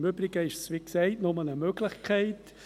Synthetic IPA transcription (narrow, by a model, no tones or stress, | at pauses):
mʏbɾɪɡ̥əɪʃsʋiksɛɪtnʊmənəmøɡlɪχkʰæɪt